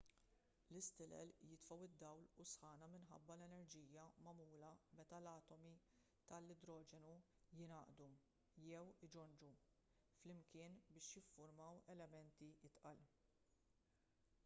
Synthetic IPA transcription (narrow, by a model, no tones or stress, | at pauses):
lɪst̪ɪlɛ̰ljɪt̪fɐwɪd̪ːɐwlʊsħɐːnɐmɪnħɐ̰bːɐlɛnɛɾd͡ʒiːjɐmɐmuːlɐmɛt̪ɐlɐːt̪ɔmi | t̪ɐlːɪd̪ɾɔːd͡ʒɛnu | jɪnɐːʔd̪u | jɛwɪd͡ʒɔnd͡ʒu | flɪmkɪːnbɪːʃjɪfːʊɾmɐwɛlɛmɛnt̪ijɪt̪ʔɐl